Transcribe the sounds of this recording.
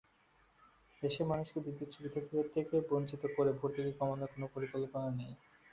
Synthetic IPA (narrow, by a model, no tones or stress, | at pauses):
eʃemanuʃkeb̪id̪ːot͡ɕʰubit̪ʰekʰekeɾt̪ʰekebont͡ɕit̪okoɾebʱoɾt̪ʰekikɔmonekonopoɾikolponanej